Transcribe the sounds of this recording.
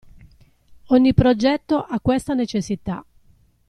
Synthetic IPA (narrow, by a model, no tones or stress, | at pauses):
ɔɲːipɾod͡ʒɛt̪ːoʔakːwest̪anet͡ʃesːit̪a̰